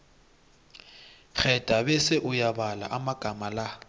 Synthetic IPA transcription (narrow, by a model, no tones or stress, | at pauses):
k͡xʰɛtʼabɛsɪʔʊjabala̰ʔamaɡ̥ʱamala